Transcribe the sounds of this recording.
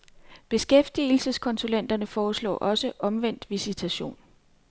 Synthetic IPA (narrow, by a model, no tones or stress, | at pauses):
b̥e̝sɡ̥efd̥il̩səskʰɒ̽nsulen̰d̥ɐnəfɒːslɒ̰ːʔɒ̽səʔɒ̽mʋen̰d̥ʋisit͡sʰæɕo̝̰ːn